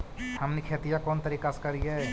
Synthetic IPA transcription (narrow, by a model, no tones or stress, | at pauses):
hɐmnikʰeːt̪ijakɔːnt̪ɐɾiːkaskɐɾiɛː